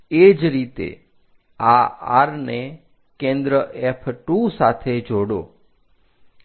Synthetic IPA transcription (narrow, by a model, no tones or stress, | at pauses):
ed͡ʒɾit̪ḛ | aa̰ɾne | kẽnd̪ɾəʔɛpʰʈusat̪ʰed͡ʒoɽo̰